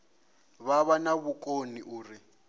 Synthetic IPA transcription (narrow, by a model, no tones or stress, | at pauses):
βaβanaβukʼoniʔuːri